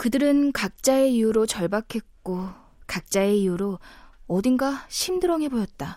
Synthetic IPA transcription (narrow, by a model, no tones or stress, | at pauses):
kɯdɯɾɯnkak̚t͡ɕ͈ae̞ijuɾot͡ɕʌɭbakʰe̞t̚k͈o | kak̚t͡ɕ͈ae̞ijuɾoʌdɯnɡaɕʰimdɯɾʌŋɦe̞boɕʰʌt̚t͈a